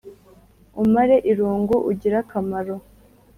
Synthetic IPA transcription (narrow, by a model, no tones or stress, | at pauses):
umaɾe̞ʔiɾuːŋɡuʔuɟiɾakamaɾo